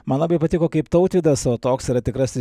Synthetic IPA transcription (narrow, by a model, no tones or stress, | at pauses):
mɐnlˠɑːbɐɪpɐt̪ʲɪkoːkɐɪpt̪ɐʊt̪ʲʋʲid̪ɐsoːt̪oːksiɾɐt̪ʲɪkɾɐsʲɪ